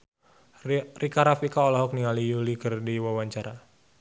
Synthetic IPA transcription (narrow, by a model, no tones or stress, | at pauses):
rikaɾafikaɔlɔɦɔk̚nialijulikɨrdiwawaɲt͡ʃaɾa